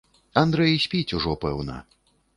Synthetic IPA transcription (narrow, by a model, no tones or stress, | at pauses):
and̪ɾɛjisʲpʲit͡sʲuʐɔpɛ̰wnɐ̰